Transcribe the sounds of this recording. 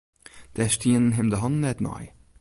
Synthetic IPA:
d̥ɛʃtʰiənɦemdəɦɑnnɛtnɑ̰ɪ

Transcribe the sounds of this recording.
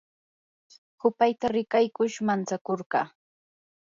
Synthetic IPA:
hʊpajt̪aɾɪkajkʊʃmant͡sakoɾɢɑ̰ː

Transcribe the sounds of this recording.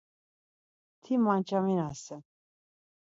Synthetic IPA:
t̪ʰimant͡ʃʰʼaminasɛ

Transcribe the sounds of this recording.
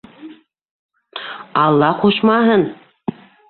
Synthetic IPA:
ɑlˠːɑquʃmɑɦɤn

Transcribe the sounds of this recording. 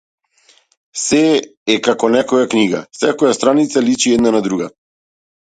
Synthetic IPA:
sɛɛkakɔnɛkɔjakniɡa̰sɛkɔjast̪ɾanit̪salit͡ʃiɛd̪nanad̪ɾuɡa

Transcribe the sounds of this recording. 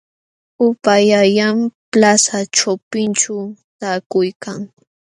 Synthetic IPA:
ʊpajajamplasaʈ͡ʂawpɪnt͡ʃawt̪aːkʊjkaŋ

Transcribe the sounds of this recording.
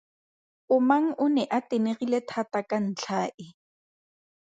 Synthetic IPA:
ʊmaŋ̩ʔʊnɛʔateneɣiletʰatakan̩t͡ɬʰaːʔɪ

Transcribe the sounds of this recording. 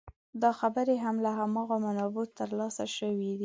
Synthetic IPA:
d̪ɑxabəɾeɦamlaɦamɑɣamanɑbut̪əɾlɑsaʃəwid̪i

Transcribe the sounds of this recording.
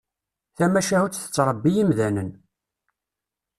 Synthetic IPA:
θæmæʃæhut͡sːθə̥t͡sːɾˤəbːijimðænən

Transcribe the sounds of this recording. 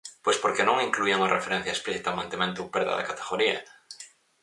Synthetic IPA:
pwespoɾkenõŋiŋkluiaŋarʔefeɾẽn̟θjaespliθit̪amãnt̪emẽnt̪upeɾða̰ða̰kat̪eɣoɾiɐ̰

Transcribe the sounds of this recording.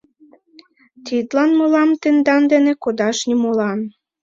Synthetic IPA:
t̪id̪lɑnmolɑmt̪end̪ɑnd̪enĕkod̪ɑʃnʲimolɑn

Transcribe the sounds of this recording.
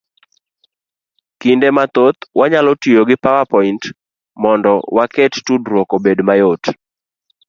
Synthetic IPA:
kindemat̪ot̪waɲalɔtijoɡɪpawapɔint | mɔndɔwakettudɾwokobedmajot

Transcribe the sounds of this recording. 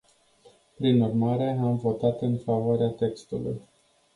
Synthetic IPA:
pɾinurmaɾe̞amvo̞t̪at̪ɨnfavoaɾeat̪e̞kst̪ulṵj

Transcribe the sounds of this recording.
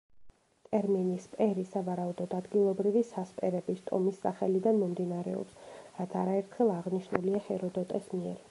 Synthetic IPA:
t̪ʼɛɾminispʼɛɾisavaɾaud̪ɔd̪ad̪ɡilˠɔbɾivisaspʼɛɾɛbist̪ʼɔ̰misːaχɛlid̪anmɔmd̪inaɾɛ̰ɔ̰psɾat̪sʰaɾaɛɾt̪ʰχɛlˠaʁniʃnuliahɛɾɔd̪ɔt̪ʼɛsmiɛ̰ɾ

